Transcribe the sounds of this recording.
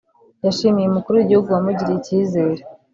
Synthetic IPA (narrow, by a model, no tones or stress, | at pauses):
jaʃiːmijeumukuɾuwiɟihuɡuwamuɟiɾeiciːze̞ːɾe